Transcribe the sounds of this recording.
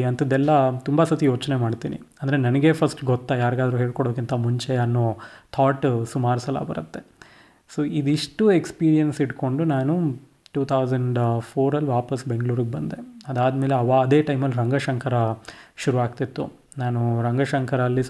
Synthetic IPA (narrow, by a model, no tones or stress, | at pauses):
ɐnt̪ʰɐd̪ːɛlːɐt̪umbɐsɐt̪ijo̞ːt͡ʃnemaːɽt̪ḭːnḭ | ɐnd̪ɐɾenɐnɐɡe̞pʰɐsʈɡɔt̪ːajaːɾɡaːd̪ɐɾuɦe̞ːɭkɔɽoːkint̪ʰɐmuɲt͡ʃe̞ɐnːoːt̪ʰaːʈsumaːɾsɐlːɐ̰bɐ̰ɾɐt̪ːe̞ | soːid̪iʂʈuekspiːɾijɐnsiʈko̞ɳɖunaːnu | ʈuːt̪ʰɐwsɐɳɖpʰoːɾɐlːʋaːpɐsbeŋɡɭuːɾuɡebɐnd̪eɐd̪aːd̪meːleɐʋaɐd̪e̞ːʈɐjmɐlːɾɐŋɡɐʃɐŋkʰɐɾɐʃuɾuʋaːk̚t̪it̪ːu | naːnuɾɐŋɡɐʃɐŋkʰɐɾɐːlːi